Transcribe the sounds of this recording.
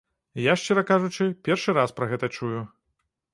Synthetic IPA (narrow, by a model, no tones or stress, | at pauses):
jaʂt͡ʂɛɾɐkaʐut͡ʂɨpʲɛrʂɨɾaspɾɐɣɛt̪ɐt͡ʂuju